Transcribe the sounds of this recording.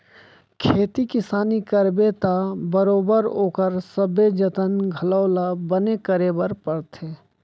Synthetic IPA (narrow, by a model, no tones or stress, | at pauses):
kʰeːt̪ikɪsaːnikəɾbet̪abəɾoːbəɾoːkəɾsəbed͡ʒət̪ənɡʱəlɔːlabənekəɾebəɾpəɽt̪ʰeː